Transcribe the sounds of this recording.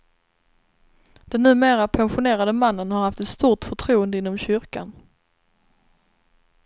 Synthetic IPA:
d̪̥ɛnːʉ̟ːmeːɾapʰɛnɧʊneːɾad̪əmanːənhaɾhaft̪ɛt̪st̪uːʈfœʈʰɾuːənd̪əɪnːɔmɕʏɾka̰n

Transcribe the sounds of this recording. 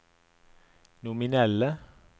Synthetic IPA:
nʊmɪnɛlə

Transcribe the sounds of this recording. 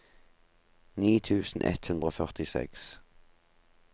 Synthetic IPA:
niːt̪ʰʉːsn̩ʔɛ̰t̪hʉnd̪ʁoːfœʁt̪ɪsɛ̰ks

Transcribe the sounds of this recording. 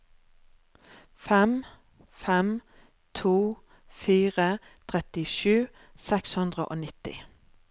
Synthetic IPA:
fɛm | fɛm | t̪ʰuː | fiːʁət̪ʰʁɛt̪ɪʃʉː | sɛkshʉnd̪ʁəʔo̰ːnɪt̪ɪ̰

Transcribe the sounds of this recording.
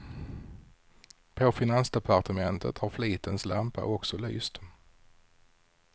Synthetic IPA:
pʰɔfɪnansd̪ɛpʰaɾt̪əmɛnt̪ʰə̰t̪haɾfliːt̪ənslampa̰ʔɔksɔly̰ːst̪

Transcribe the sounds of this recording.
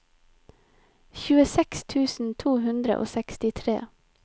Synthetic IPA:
çʉːəsɛkst̪ʰʉːsn̩t̪ʰuːhʉnd̪ɾə̰ʔo̰ːsɛkst̪ɪt̪ʰɾḛː

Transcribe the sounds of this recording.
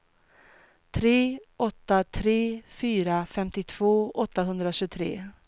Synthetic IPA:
t̪ʰɾeːʔɔt̪ːat̪ʰɾeːfyːɾafɛmt̪ɪt̪ʰv̥oːʔɔt̪ːaɦɵnd̪ɾaɕɵt̪ʰɾḛː

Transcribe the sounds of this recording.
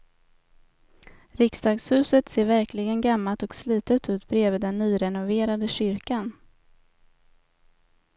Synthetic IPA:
ɾɪksd̪ɑːɡshʉ̟ːsət̪seːɾvæɾklɪɡənɡamːalt̪ɔksliːt̪ət̪ʉ̟ːt̪bɾeːvəd̪ɛnːyːɾɛnʊveːɾad̪əɕʏɾkan

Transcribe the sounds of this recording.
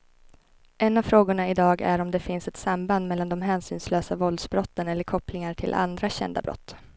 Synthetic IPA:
ʔɛnːavfɾoːɡʊɳaɪd̪ɑːɡæ̰ɾɔmd̪ɛfɪnsɛt̪samband̪mɛlːand̪ɔmɦɛːnsyːnsløːsavɔlsbɾɔt̪ːənɛlːəɾkʰɔplɪŋaʈʰɪ̰lʔa̰nd̪ɾaɕɛ̰nd̪a̰bɾɔ̰t̪ː

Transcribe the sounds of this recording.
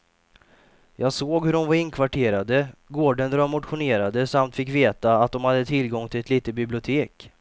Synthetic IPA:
jɑːɡsoːɡhɵɖɔmvaɾɪnːkʰvaʈʰeːɾad̪əɡoːɖənd̪ɾamʊt̪ɧʊneːɾad̪əsamt̪fɪkːveːt̪aːt̪̚d̪ɔmhad̪ːət̪ʰɪlɡɔŋt̪ʰɪlɛt̪liːt̪ət̪̚bɪblɪʊt̪ʰeːk

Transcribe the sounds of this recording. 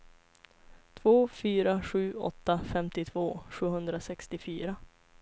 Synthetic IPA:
t̪ʰvoːfyːɾaɧʉ̟ːʔɔ̰t̪ːafɛmt̪ɪt̪ʰv̥oːɧʉ̟ːɦɵnd̪ɾasɛkst̪ɪfyːɾa

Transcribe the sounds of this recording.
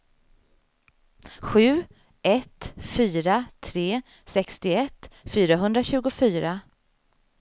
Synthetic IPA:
ɧʉ̟ː | ɛt̪fyːɾat̪ʰɾeː | sɛkst̪ɪɛt̪ːfyːɾaɦɵnd̪ɾaɕʉ̟ːɡʊfyːɾa

